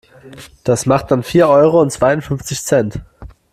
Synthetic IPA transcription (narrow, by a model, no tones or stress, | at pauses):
d̥asmaχt̚d̥anfiːɐʔɔʏʁoʊntt͡sv̥aɪʊntfʏnft͡sɪçsɛnt